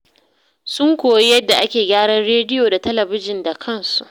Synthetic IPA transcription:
sʊ˦ŋkʷoː˨ji˦jɐ˦dːa˨ʔa˦kʲeː˨ɡʲaː˦ɽɐ˦nɽeː˦dɪ˦joː˨da˨tɐ˦lɐ˨bɪ˦d͡ʒɪ˨nda˨kʰɐ˦˨nsu˨ʔ

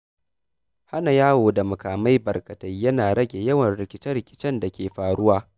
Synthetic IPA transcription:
ha˦na˨jaː˦woː˨da˨mɐ˨kaː˨ma˦jbɐ˨rkɐ˨tɐ˦jːɐ˦naː˨ɽɐ˦ɡʲe˨jɐ˦wɐ˨nɽɪ˨kʲɪ˦t͡ʃɛ˦ɽɪ˨kʲɪ̥˦t͡ʃɛ˦nda˨kʲeː˨ɸaː˨ɽʊ˦waː˦

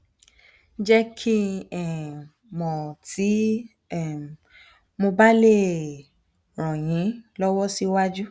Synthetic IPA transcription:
n̩˦d͡ʒɛ˦kʰi˦ɛ˦˨ | mɔ̃˨tʰi˨˦ | ɛ˦˨ | mo˧ba˦le˦˨ | ɾ̃ɔ̃˨j̃ĩ˨˦lɔ˦wɔ˦si˦wa˦d͡ʒu˦

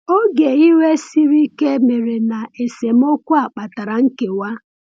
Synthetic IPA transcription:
o˦ɡe˨i˦we˦si˦ɾi˦ke˦me˨ɾe˨na˨e˨se˨m̩˦o˦kʷu˦a˨k͡pa˨ta˨ɾa˨ŋ̩˦ke˨wa˦

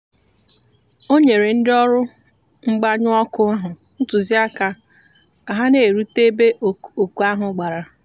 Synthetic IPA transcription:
o˦ɲe˨ɾe˨n̩˦dɪ˦ɔ˦ɾʊ˦ | ŋ͡m̩˦ɡ͡ba˦ɲʊ˦ɔ˦kʊ˦a˦ɦʊ˨ | ʊ˦tʊ˨zi˦a˦ka˨ | ka˨ɦa˦ne˨ɾu˦te˦be˦˨o˨ku˨˦a˦ɦʊ˨ɡ͡ba˨ɾa˨

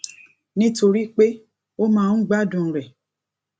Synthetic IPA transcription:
nĩ˦to˧ɾi˦k͡pe˦ | o˦mãː˦˧˦n̩˦ɡ͡ba˦dũ˨ɾɛ˨

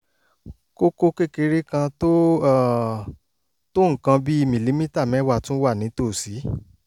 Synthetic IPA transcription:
ko˦ko˧ke˦ke˧ɾe˦kã˧to˦ | to˦ŋ̩˨kã˧bi˦i˦˧mĩ˨li˨˦mĩ˦ta˦˨mɛ̃˨˦wa˦˨tũ˦wa˦˨nĩ˨˦to˦˨si˨˦

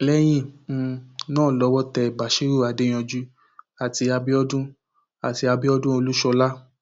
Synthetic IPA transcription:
lɛ˦j̃ĩ˦˨˧ | nãː˦˨lɔ˨˧˦wɔ˦tɛ˧˨ba˨ʃi˦ɾu˦˨a˨˧de˦j̃ɔ̃˧d͡ʒu˦ | a˨ti˧a˧bi˦ɔ˦dũ˦ | a˨ti˧a˧bi˦ɔ˦dũ˦o˧lu˦ʃɔ˧la˦

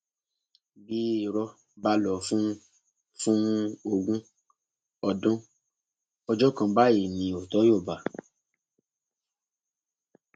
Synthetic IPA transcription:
bi˦i˨ɾɔ˧ | ba˧lɔ˨fũ˦ | fũ˦o˧ɡũ˦ | ɔ˧dɔ̃˦ | ɔ˧d͡ʒɔ˦kã˧ba˦i˨nĩ˨˦o˨tɔ˨˦jo˦˨ba˨

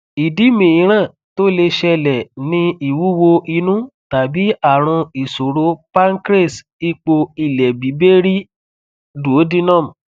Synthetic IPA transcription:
i˨di˨˦mĩ˨ĩ˨˦ɾ̃ã˦˨ | to˦le˧ʃɛ˧lɛ˨nĩ˧i˦˨wu˨˦wo˧ʔi˧nũ˦ta˨bi˨˦a˦˨ɾ̃ũ˧i˨so˨ɾo˧pa˦ŋ˦kɾe˦˨s | i˦k͡po˧i˨lɛ˨bi˨˦be˦ɾi˦ | do˨˦di˦nɔ̃˦˨m̃˨

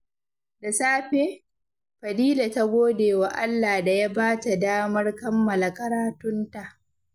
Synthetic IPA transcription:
da˨saː˦ɸeː˦ | ɸɐ˨diː˦la˨ta˦ɡʷoː˦deː˨wa˨ʔa˦lːaː˨da˨ja˦baː˦ta˨daː˦mɐ˦rkɐ˦mːɐ˨la˨kʼɐ˦ɾaː˦tʊ˦nta˨ʔ

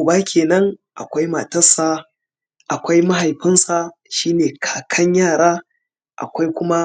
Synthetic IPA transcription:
baː˦kʲʰeː˨nɐ˦ŋʔa̰˨kʷa˦jma˨tɐ˦sa˦ | ʔa˨kʷa˦jma˦ɦa˨jɸɪ˦nsa˨ | ʃiː˦neː˨kʰḁː˨kʰɐ˦ɲjaː˦˨ɽaː˦ | ʔa̰˨kʷa˦jkʷʊ˦ma˦

